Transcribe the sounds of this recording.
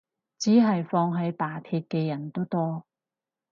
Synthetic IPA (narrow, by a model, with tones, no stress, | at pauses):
t͡siː˨˥ɦɐ˨jfɔː˧ŋɦɐ˨˧jpaː˨˩t̪ʰiː˧t̚kɛː˧jɐ˨˩nt̪o˥wt̪ɔː˥